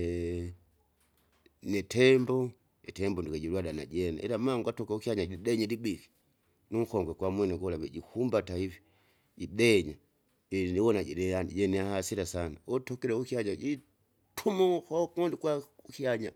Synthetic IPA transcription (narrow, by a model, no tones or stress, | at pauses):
nɛtɛmbɔ | ɛtɛmbɔndikaɟiɾwadana̰ɟɛna̰ʔɛlamaŋɡatɔkaukiaɲaɟiɗɛɲadibiki̥ | nuŋ̩kɔŋɡɛkwamwɛnɛɡɔlaβɛɟihumbataivi | ɟiɗɛɲa | ɛniwɔnaɟɛɾɛaniɟɛniahasiɾasanaɔtɔkɛɾɛukiaɲaɟi | tʰumuxɔkɔndikwaukiaɲa